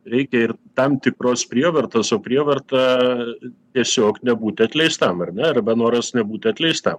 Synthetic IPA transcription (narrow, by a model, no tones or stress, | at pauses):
ɾʲɛɪkʲɛɪrt̪ɐmt̪ʲɪkɾoːspʲɾʲiɛʋɐrt̪ɐsoːpʲɾʲiɛʋɐrt̪ɐ | t̪ʲiɛsʲoːknʲɛbuːt̪ʲɐt̪ʲlʲɛɪst̪ɐmɐrnʲɛɐrbɐnoːɾɐsnʲɛbuːt̪ʲɐt̪ʲlʲɛɪst̪ɐm